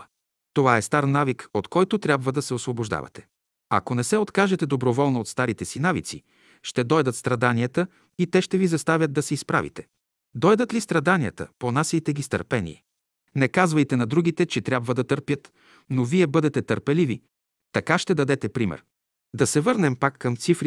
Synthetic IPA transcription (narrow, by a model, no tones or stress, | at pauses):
t̪ovaɛst̪aɾnavikot̪kɔjt̪ot̪ɾʲabvəd̪ɐsɛosvoboʒd̪a̰vɐ̰t̪ɛ̥ | ɐ̰konɛsɛot̪kaʒɛt̪ɛd̪obɾovɔlˠnəot̪st̪aɾit̪ɛsinavḭt̪sḭ | ʃt̪ɛd̪ɔjd̪ət̪st̪ɾɐd̪aniət̪ə | it̪ɛʃt̪ɛvizɐst̪avʲət̪d̪̚d̪ɐsɛispɾa̰vḭt̪ɛ̥ | d̪ɔjd̪ət̪list̪ɾɐd̪aniə̰t̪ə̰ponasit̪ɛɡʲist̪ə̰ɾpɛnḭː | nɛkazvɐjt̪ɛnɐd̪ɾuɡit̪ɛt͡ʃɛt̪ɾʲabvəd̪ɐt̪əɾpjət̪ | noviɛbɤd̪ɛt̪ɛt̪əɾpɛlivi | t̪ɐkaʃt̪ɛd̪ɐd̪ɛt̪ɛpɾimɛ̰ɾ | d̪ɐsɛvɤɾnɛmpakːɐmt̪sifɾ